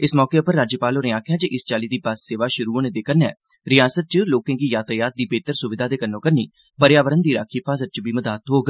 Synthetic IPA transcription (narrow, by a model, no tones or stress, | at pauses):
ɪsmɔːkeːʊpəɾːaːd͡ʒjəpaːloːneːaːkʰjaːd͡ʒeʔɪst͡ʃaːliːd̪iːbəsseːʋaːʃʊɾuːoːneːd̪eːkənɛː | ɾɪjaːsət̪̚t͡ʃəloːkẽːkiːjaːt̪əjaːt̪̚d̪iːbeːt̪əɾsʊʋɪd̪ʱaːd̪eːkənːõːkəɾnḭː | pəɾjaːʋəɾənd̪iːɾaːkʰiːpʰaːsət̪̚t͡ʃbiːməd̪aːt̪ɦoːɡ